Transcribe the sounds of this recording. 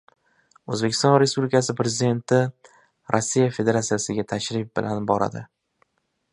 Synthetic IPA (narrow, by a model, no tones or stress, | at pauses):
ɵzbekʲʰɪst̪ɒnɾe̞spublɪkʰas̬ɪpɾe̞zɪd̪e̞nt̪ʰɪ | ɾʔɒsːijafe̞d̪e̞ɾat̪sijasɪɡʲat̪ʰaʃɾɪf̚bɪlʔanbɒɾa̰d̪ɪ